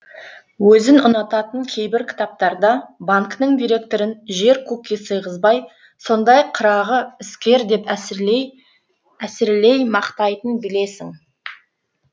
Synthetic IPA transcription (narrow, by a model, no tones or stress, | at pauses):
wɵzɪnʊnɑt̪ɑt̪əŋkʲʰe̞jbɪɾkʲʰɪ̥t̪ɑp̚t̪ɑɾd̪ɑbaŋknəŋd̪ijɾe̞k̚t̪oɾɪnʒe̞ɾkʰukʲisəjʁəzbɑj | so̞nd̪ɑjɑqʰːəɾɑʁəɪskʲe̞ɾd̪e̞p | æsɪɾle̞jmɑqt̪ɑjt̪ənbɪle̞sɪŋ